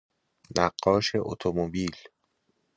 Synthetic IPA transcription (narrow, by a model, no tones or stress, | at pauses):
næɢːɒːʃe̞ʔo̰t̪ʰomobiːl